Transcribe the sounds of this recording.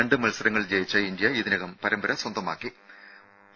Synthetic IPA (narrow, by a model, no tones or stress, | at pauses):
ɐɳɖɨmɐlsɐɾɐŋːɐɭd͡ʑejit͡ɕːɐind̪jɐiðinɐɣɐmpɐɾɐmbɐɾɐswɐnd̪ɐma̰ːkːi